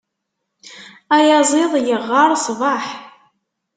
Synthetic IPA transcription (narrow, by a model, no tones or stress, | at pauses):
æjɑzˤɪðˤjəʁːɑɾˤsˤvɑħ